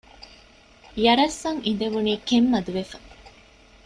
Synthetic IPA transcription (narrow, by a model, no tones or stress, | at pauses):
jɐɾɐsːɐŋin̆d̪eʋuniːkemːɐd̪uʋefɐ